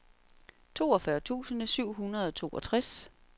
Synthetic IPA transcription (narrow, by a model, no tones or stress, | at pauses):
t͡sʰo̝̰ːɒ̽fɶɐt͡sʰṵːsənəsyʊ̰ɦunɐð̞ˠɒ̽t͡sʰo̝ːʔɒ̽t͡sʰʁas